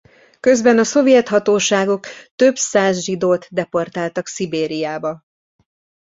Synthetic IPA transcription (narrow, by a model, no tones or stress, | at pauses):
kø̞zbɛnɒso̞vijɛt̪hɒt̪oːʃaːɡo̞kt̪øbsaːzʒid̪oːt̪d̪ɛpo̞rt̪aːlt̪ɒksibeːɾijaːbɒ